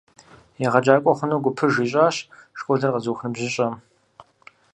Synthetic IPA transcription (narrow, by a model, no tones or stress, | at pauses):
jɛʁɐd͡ʒaːkʷʼɔχʷʊnoːɡʷʊpʰɨʒiːɕʼaːɕʂkʷʼɔɮɐrqɐzuːxnɨbʑɪɕʼɐm